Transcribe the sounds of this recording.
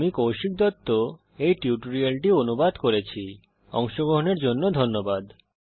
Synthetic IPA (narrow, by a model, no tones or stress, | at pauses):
mikowʃik̚d̪ɔt̪ːo | ejʈiuʈoɾialʈionubad̪koɾet͡ɕʰi | ɔŋʃoɡɾoɦoneɾd͡ʑonːod̪ʱonːobad̪